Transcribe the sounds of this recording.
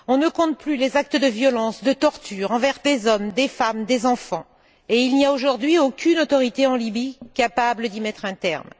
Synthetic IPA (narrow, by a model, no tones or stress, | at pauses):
ɔ̃nəkɔ̃t̪̚plylezak̚t̪əd̪əvjɔlɑ̃sd̪ət̪ɔʁt̪yʁɑ̃vɛʁd̪ezɔmd̪efamd̪ezɑ̃fɑ̃ | eilniaoʒuʁd̪ɥiokʲynot̪ɔʁit̪eɑ̃libikapabləd̪imɛt̪χɛ̃t̪ɛ̰ʁm